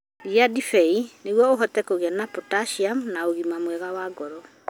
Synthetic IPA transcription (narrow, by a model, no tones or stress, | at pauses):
iadifɛineɣwɔoɦɔtɛkoɣianapɔtaʃiamnaoɣimamwɛɣawaɡɔɾɔ